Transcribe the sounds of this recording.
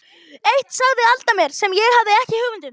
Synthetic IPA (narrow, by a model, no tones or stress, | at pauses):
ejht̪saɣðɪalt̪amjɛɾ̥sɛmjɛɣhavðɪɛhcɪhʏːɣvʏnt̪ɪn